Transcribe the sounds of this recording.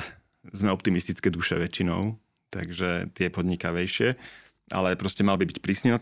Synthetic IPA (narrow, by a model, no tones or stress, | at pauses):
zmɛɔp̚t̪imist̪it͡skɛːd̪uʃɛ̰ʋɛt͡ʃːinɔ̰ʊ | t̪a̰ɡʒɛt̪ɪɛpɔd̪ɲikaʋɛjʃɪɛ | ʔa̰lɛpɾɔscɛmalbibicpɾiːsnina